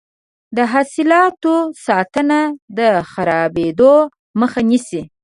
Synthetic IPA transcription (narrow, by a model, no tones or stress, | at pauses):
d̪əɦɑsɪlɑt̪osɑt̪ənad̪əxaɾɑbed̪o | məxanisi